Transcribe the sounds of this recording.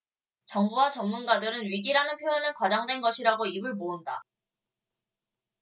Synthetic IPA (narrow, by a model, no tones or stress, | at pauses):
t͡ɕʌŋbuwat͡ɕʌmmunɡadɯɾɯnɥiɡiɾanɯnpʰjojʌnɯnkwad͡ʑaŋdwe̞nɡʌɕʰiɾaɡoibɯɭmounda̰